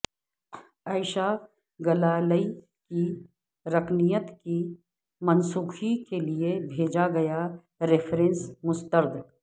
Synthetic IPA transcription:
aːɪʃa | ɡɐlaːləi | ki | ɾɐkʰnijət̪ki | mɐnsuːxikeliebʱeːd͡ʒaɡɐja | ɾɪfʰɾẽnsmʊst̪əɾd̪ɪk

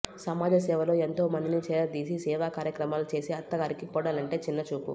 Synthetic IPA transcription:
sɐmaːd͡ʒ̪ɐsɛːʋɐlo̞ːent̪oːmɐnd̪init͡ʃɛːɾɐd̪iːs̬isɛːʋaːkaːɾjɐkɾɐmaːlut͡ʃe̞ːsiɐt̪ːɐɡɐɾikipɔːɽaːlɐɳʈe̞ːt͡ʃinːɐt͡ʃuːpṵ

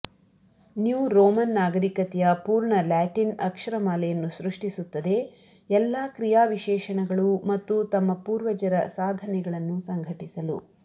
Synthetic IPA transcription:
njuːɾɔːmɐnːaːɡɐɾikɐt̪ɛjɐpuːɾɳɐlaːʈinɐkʂɐɾɐmaːlɛjɐnːuʃɾuʂʈisut̪ːɐd̪e̞ | ɛlːaːkɾijaːʋiʃɛːʃɐɳɛɡɐɭumɐt̪ːut̪ɐmːɐpuːɾʋɐd͡ʒɐɾɐsaːd̪ʱɐnɛɡɐɭɐnːusɐŋɡʱɐʈisɐlṵ

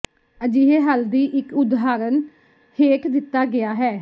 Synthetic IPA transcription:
əd͡ʒiːɦeːɦəld̪iːʔɪkʊd̪ɦaːɾən | heːkʰd̪ɪt̪ːaːɡɪaːɦɛː

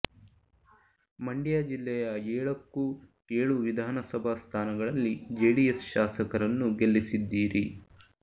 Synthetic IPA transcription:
mɐɳɖijaːd͡ʒilːɛjɐɛːɭɐkːu | eːɭuʋid̪ʱaːnɐsɐbʱaːst̪ʰaːnɐɡɐɭɐlːid͡ʒeːɽijesʃaːsɐkɐɾɐnːuɡelːisid̪ːiːɾi

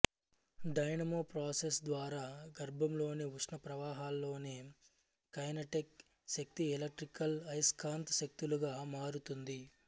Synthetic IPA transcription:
ɖɐjnɐmoːpɾaːsesd̪ʋaːɾaːɡɐɾbʱɐmlo̞ːniuʂnɐpɾɐʋaːɦaːlːo̞ːneː | kɐjnɐʈek | ʃɐk̚t̪ielɐk̚ʈɾikɐlɐjskʰaːnt̪ʃɐk̚t̪uluɡaːmaːɾut̪und̪i

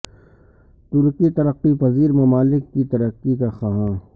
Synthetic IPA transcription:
t̪ʊɾkit̪ɐɾəqːipɐziːɾmɐmaːlɪkːit̪ɐɾəqːikaxaɦãː

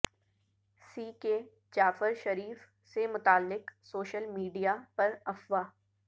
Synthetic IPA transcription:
siːke | d͡ʒaːfɪɾʃɐɾiːf | semʊt̪aːlːɪqsoːʃəlmiːɖijapɐɾɐfʋaː

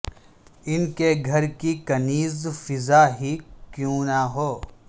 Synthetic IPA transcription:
ɪnkeɡʱɐɾkikɐniːzfɪzaːɦikjõːnaɦoː

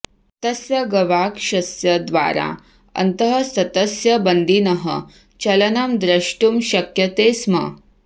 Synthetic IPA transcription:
t̪ɐsjɐɡɐʋaːkʃɐsjɐd̪ʋa̰ːɾa̰ | ɐ̰nt̪ɐɦɐsɐt̪ɐsjɐbɐnd̪inɐɦə̰ | t͡ʃɐlɐnɐmd̪ɾɐʂʈumʃɐkjɐt̪eːsmɐ̰

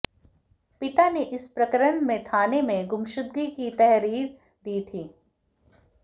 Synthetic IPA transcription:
pɪt̪aneʔɪspɾɐkəɾəɳmẽt̪ʰaːnemẽɡʊmʃʊd̪̚ɡikit̪ɛɦɾiːɾ | d̪iːt̪ʰiː

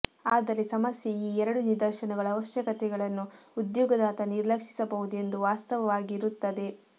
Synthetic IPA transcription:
aːd̪ɐɾe̞sɐmɐsjeiːɛɾɐɽuniɾd̪ɐɾʃɐnɐɡɐɭɐːʋɐʃjɐkɐt̪ɛɡɐɭɐnːuud̪jɔːɡɐd̪aːt̪ɐniɾlɐkʂi̥sɐbɐʋud̪ue̞nd̪uʋaːst̪ɐʋɐʋaːɡiɾut̪ːɐd̪e̞

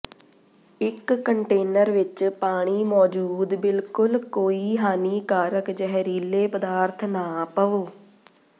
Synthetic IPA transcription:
ɪkːəɳʈeːnəɾʋɪt͡ʃpaːɽ̃iːmɔːd͡ʒuːd̪bɪlkʊlkoːiːɦaːniːkaːɾəkd͡ʒəɦɾiːleːpəd̪aːɾt̪ʰnaːpəoː

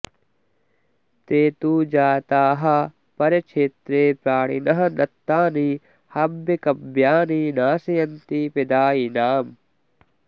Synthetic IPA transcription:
t̪eːt̪uːd͡ʒaːt̪aːɦɐ̆ | pɐɾɐt͡ʃʰeːt̪ɾeːpɾaːɳ̃ḭnɐɦɐ̆nɐt̪ːaːni | hɐbːekɐbjaːninaːsɐjɐnt̪iped̪aːinaːm

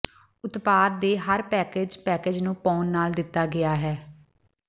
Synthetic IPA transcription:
ʊt̪paːd̪d̪eːɦəɾpɛːkeːd͡ʒpɛːkeːd͡ʒnũːpɔːnːaːld̪ɪt̪ːaːɡɪaːɦɛː

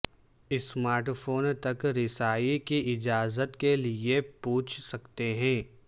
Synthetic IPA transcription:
ɪsmaːɾʈfʰoːnt̪ɐkɾɪsaːikiɪd͡ʒaːzət̪keliepuːt͡ʃʰsɐkt̪eɦɛ̃ː

